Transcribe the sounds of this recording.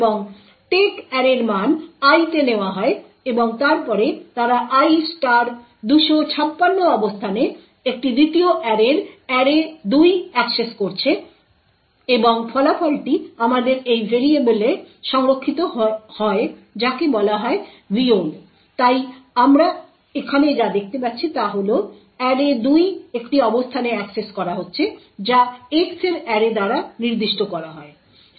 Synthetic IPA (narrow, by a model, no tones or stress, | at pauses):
eboŋ | ʈekɛɾeɾmanajt̪eneoaɦɔe | eboŋt̪aɾpɔɾet̪aɾaʔajsʈaɾ | d̪uʃot͡ɕʰapːanːoɔbost̪ʰane | ek̚ʈid̪it̪ioʔɛɾeɾɛɾed̪ujɛkseskoɾt͡ɕʰe | eboŋfʰɔlafɔlʈiamad̪eɾejveɾiebuleʃɔŋɾokʰːit̪oɦhɔed͡ʑakebɔlaɦɔe | bion | t̪ajamɾa | ekʰaned͡ʑad̪ek̚ʰt̪epatːɕʰit̪aɦolo | ɛɾed̪ujekʈiɔbost̪ʰaneɛkseskɔɾaɦotːɕʰe | d͡ʑaekseɾɛɾed̪aɾaniɾd̪iʃʈokɔɾaɦɔe